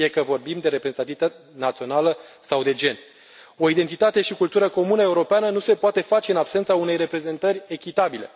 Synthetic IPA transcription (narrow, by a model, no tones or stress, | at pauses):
ijekəvo̞rbimd̪e̞ɾe̞pɾezenat̪ivit̪at̪ | nat̪sio̞naləsawd̪e̞d͡ʒe̞n | o̞id̪e̞nt̪it̪at̪e̞ʃikult̪uɾəko̞munəe̞uɾo̞peanənuse̞poat̪e̞fat͡ʃe̞ɨnabse̞nt̪saune̞jre̞pɾe̞ze̞nt̪ərʲe̞kʲit̪abile̞̰